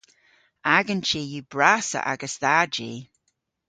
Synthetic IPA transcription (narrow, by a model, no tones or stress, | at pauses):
aɡənt͡ʃiːjub̥ɹasə̰ʔa̰ɡəsðad͡ʒi